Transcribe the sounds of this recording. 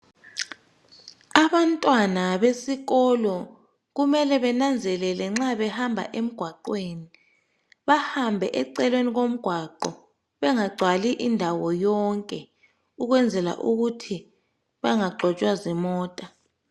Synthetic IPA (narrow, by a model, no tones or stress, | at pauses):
aβantʼwanaβesiɣɔlɔ | ɣumɛlɛβɛnand͡zʱɛlɛlɛŋ͡ǁaβɛhambʱa̰ʔem̩ɡ̥ʱwaǃweːni | βahambʱɛʔɛǀɛlweniɣom̩ɡ̥ʱwaǃɔ | βɛŋaɡ͡ǀʱwaliʔindʱawɔjɔŋkʼɛ | uɣwɛnd͡zʱɛla̰ʔuɣutʰi | βaŋaɡ͡ǃʱɔt͡ʃʼwazimɔːtʼa